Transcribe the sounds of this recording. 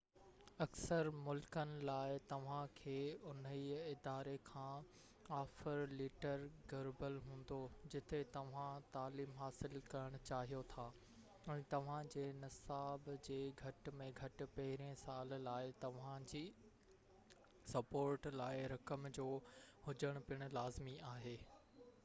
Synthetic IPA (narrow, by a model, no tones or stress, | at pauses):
ɐksəɾmʊlkənɪ̆laːɪt̪ɐʋ̤ãkʰeːʊniɪd̪aːɾekʰãː | aːfəɾliːʈəɾɡɐɾbəlɦũːn̆d̪od͡ʑɪt̪et̪ɐʋ̤ãt̪aːliːmɦaːsɪlkɐɾəɽ̃t͡ɕaːɦijot̪ʰaː | ɛ̃ːt̪ɐʋ̤ãd͡ʑeːnɐsaːbd͡ʑeːɡʱɐʈmẽɡʱɐʈ̆pɐɦɪɾẽsaːllaːɪt̪ɐʋ̤ãd͡ʑiː | sɐpoːɾʈlaːɪɾɐkəmd͡ʑoːhʊd͡ʑəɽ̃ʊpiəɽ̃ʊ̆laːzmiaːɦeː